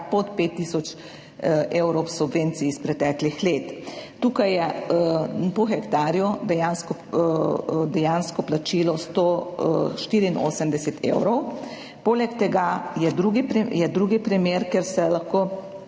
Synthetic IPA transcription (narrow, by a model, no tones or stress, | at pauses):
pɔt̪pet̪ːiːsɔt͡ʃ | ewɾɔwsubʋeːnt̪siːspɾɛt̪ɛːklixleːt̪t̪uːkajɛ | pɔxɛkt̪aːɾjud̪ɛjanskɔ | d̪ɛjanskɔplat͡ʃiːlɔst̪o | ʃt̪iɾiːnʔo̰ːsəmd̪ɛsɛt̪ʰḛwɾɔw | poːlɛkt̪ɛɡajɛd̪ɾuɡipɾijɛd̪ɾuːɡipɾimeːɾkeɾsɛlaxkoː